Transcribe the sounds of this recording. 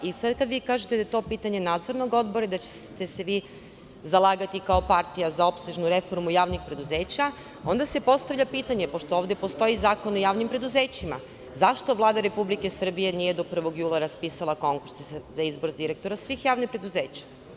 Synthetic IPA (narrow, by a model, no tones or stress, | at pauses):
isad̪kad̪ʋiːkaːʒet̪ed̪aet̪o̞ːpiːt̪aɲe̞naːd̪zo̞ɾno̞ɡo̞d̪boɾaid̪at͡ɕe̥t̪eseʋi | zalˠaːɡat̪ikaopaɾt̪ijazao̞pseʒnuɾe̞fo̞ɾmujaːʋnixpɾe̞d̪uze̞ːt͡ɕa | o̞nd̪ase̞po̞st̪aʋʎʲapiːt̪aɲe̞po̞ʃt̪ooːʋd̪je̞po̞st̪o̞izaːko̞nojaːʋnimpɾe̞d̪uze̞ːt͡ɕima̰ | zaʃt̪o̞ʋlˠaːd̪aɾe̞publike̞sr̩bije̞nije̞d̪o̞pr̩ʋo̞ɡjuːlˠaɾaspiːsalˠako̞ŋkuɾszaizbo̞ɾd̪iɾe̞k̚t̪o̞ɾasʋixjaːʋnixpɾe̞d̪uzeːt͡ɕḁ